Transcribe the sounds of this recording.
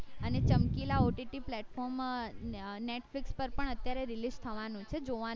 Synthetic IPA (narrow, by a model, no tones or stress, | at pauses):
ənet͡ʃəmkilaoʈiʈiplɛʈfɔɾm | neʈflikspəɾpəɳət̪jaɾeɾilist̪ʰəʋanũt͡ʃʰed͡ʒoʋa